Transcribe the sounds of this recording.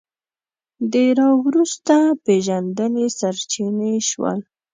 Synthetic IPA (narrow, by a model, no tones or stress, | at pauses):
d̪əɾɑwɾust̪apeʒand̪ənesaɾt͡ʃineʃwə̰l